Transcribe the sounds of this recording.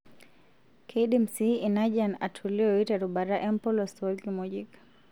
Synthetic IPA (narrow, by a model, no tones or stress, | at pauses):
kʰɛiɗim̩siinaʄanatʰuliɔitɛɾuɓaɾaʔɛmpɔlɔsɔɡimɔʄik